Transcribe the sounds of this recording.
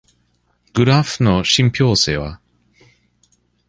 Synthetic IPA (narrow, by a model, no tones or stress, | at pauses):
ɡ̥ɯ̟ɾaɸɯnoɕĩmpʲjo̞ːse̞̰ːβa̰